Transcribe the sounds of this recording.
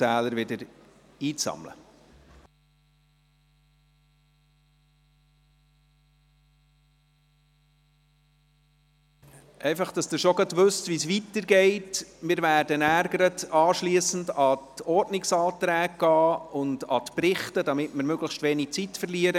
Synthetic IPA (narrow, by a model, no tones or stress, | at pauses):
æːləɾʋɪdəɾiːt͡sɑ̰mlə̰ | ʔɛɪfɑχd̥ɑsd̥̪ɪʃoɡɑtʋʉstvisʋitəɾɡɛɪtmɪːɾvæːɾdənæɾɡəɾətɑːʃliəsn̩dɑtɔrtnɪksɑːtɾæːɡ̚ɡ̥ɑːʊndɑ̰t̪pɾɪχtədɑmɪtməɾmøɡləxʃtʋeːnɪk̚t͡sitfərliəɾə